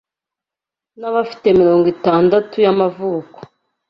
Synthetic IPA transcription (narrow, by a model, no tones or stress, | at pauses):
naβafi̥te̞miɾo̞ːŋɡitaːndatujamavuːko̥